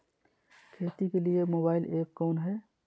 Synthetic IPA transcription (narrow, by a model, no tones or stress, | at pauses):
kʰeːt̪ikeliemoːbaːɪleːp̚kɔːnɦɛː